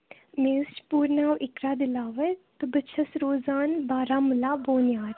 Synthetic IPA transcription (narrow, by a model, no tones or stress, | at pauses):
meːst͡ʃpuːɾnaːwʔɪkɾaːd̪ɪlaːʋet̪ɨbət͡ʃʰɐsɾoːzaːnbaːɾaːmulaːboːnjaːɾ